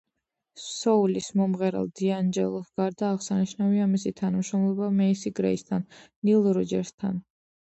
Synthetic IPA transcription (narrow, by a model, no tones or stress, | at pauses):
sɔulismɔmʁɛɾa̰lˠd̪̥iand͡ʒɛlˠɔsɡ̥aɾd̪aːʁsaniʃnaviamisit̪ʰanamʃɾɔmlˠɔbamɛisiɡɾɛ̰ist̪ʰannːilˠɾɔd͡ʒɛɾst̪ʰa̰n